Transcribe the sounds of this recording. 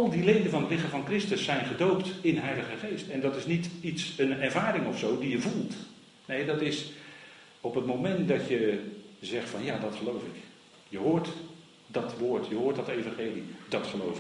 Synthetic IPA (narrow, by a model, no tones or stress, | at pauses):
ɑlˠdilejdənvɑnətlɪχəvɑnkrɪstəsɛjnχədowptɪnɦɛjləχəχejstɛndɑtɪsnititsənɛɹvaːɾɪŋɔfsowdijəvulˠt | nejdɑtɪs | ɔpətmomɛntdɑtjəzɛχtfɑnjaːdɑtχəlowfɪk | jəɦʊːɹt | dɑtʋoːɹtjəɦʊːɹtdɑtejvɑnχeːlidɑtχəlowfɪ